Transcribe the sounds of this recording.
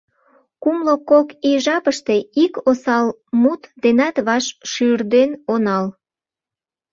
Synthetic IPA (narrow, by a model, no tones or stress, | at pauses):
kumlokokiʒɑpəʃt̪e̽ikosɑl | mut̪d̪enɑt̪βɑʃʃyrd̪enonɑl